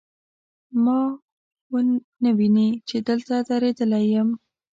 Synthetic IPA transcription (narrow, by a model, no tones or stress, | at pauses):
mɑ | wə | nəwinit͡ʃed̪əlt̪ad̪aɾed̪əlajəm